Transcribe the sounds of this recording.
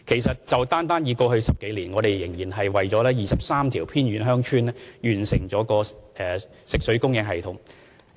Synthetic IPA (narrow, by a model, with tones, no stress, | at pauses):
kʰe˨˩js̬ɐ˨t̚t͡sɐ˨wt̪aː˥nt̪aː˥njiː˨˧kɔː˧hɵ˧ɥsɐ˨p̚ke˨˥jliː˨˩nŋɔː˨˧ɾe˨jjɪ˨˩ŋjiː˨˩nɦɐ˨jwɐ˨jt͡ʃɔː˨˥lɛː˥jiː˨sɐ˨p̚saː˥mt̪ʰiː˨˩wpʰiː˥nɥyː˨˧nɦœː˥ŋt͡ʃʰyː˥nlɛ˥jyː˨˩nsɪ˨˩ŋt͡sɔː˨˥kɔː˧ɛː˨˩ | sɪ˨k̚sɵ˨˥ɥkʊ˥ŋjɪ˧˥ŋɦɐ˨jt̪ʰʊ˨˥ŋ